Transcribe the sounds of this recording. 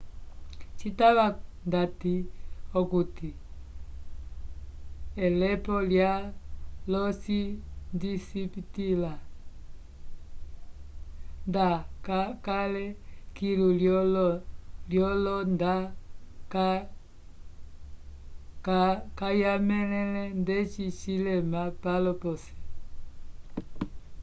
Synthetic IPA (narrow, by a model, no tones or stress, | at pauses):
t͡ʃitaβandatiɔkuti | ɛlɛpɔljalɔsindisipitila | ndakakalɛkilulɔl | ljɔlɔndaka | kakajamɛlɛlɛndɛt͡ʃit͡ʃilɛmapalɔpɔsɛ̥